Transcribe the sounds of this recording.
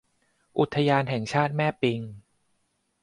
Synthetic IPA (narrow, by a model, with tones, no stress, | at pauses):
ʔu˨˩t̪ʰːa˧jaː˧nɦɛ˨˩ŋt͡ɕʰaː˥˩t̪̚mɛː˥˩pi˧ŋ